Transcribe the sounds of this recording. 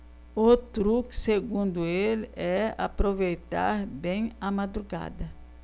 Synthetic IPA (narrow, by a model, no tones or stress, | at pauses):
ot̪ɾukseɡũnd̪ʊelɛa̰pɾovejt̪a̰ɾbẽj̃ɐmad̪ɾuɡa̰d̪ɐ